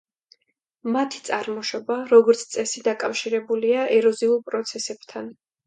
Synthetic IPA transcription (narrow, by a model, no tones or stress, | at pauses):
mat̪ʰi̥t̪sʼaɾmɔʃɔbaɾɔɡɔɾt̪sʰt̪sʼɛsid̪akʼafʃiɾɛbuliaʔɛɾɔziulˠpʼɾɔt̪sʰɛsɛb̥t̪ʰan